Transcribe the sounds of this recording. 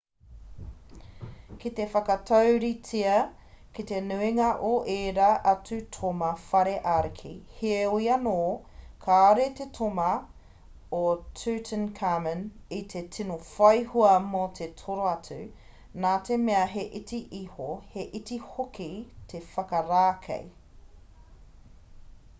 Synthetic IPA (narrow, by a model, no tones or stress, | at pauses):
kitefɐkɐtʰɐwɾit͡sʰiɐ | kit̪enʉiŋɐʔoʔeːɾaʔɐtʉtʰomɐfɐɾeʔaɾikʰḭheoiɐnoː | kʰaːɾetetʰomɐ | otʰʉːtʰənkʰamənitʰetʰinofɐjhuɐmotʰetʰoɾoɐt͡sʉ̰ | naːtʰemeɐɦeʔitiʔihoheʔitihokitʰefɐkɐɾaːkʰḛj